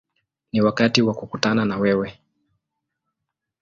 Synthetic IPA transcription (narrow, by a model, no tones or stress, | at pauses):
niwakatiwakukutananawɛwɛ